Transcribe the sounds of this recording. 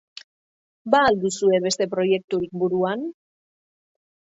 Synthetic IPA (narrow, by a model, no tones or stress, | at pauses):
baːld̪usue̞βe̞st̪e̞pɾo̞je̞k̚t̪uɾik̚buɾuan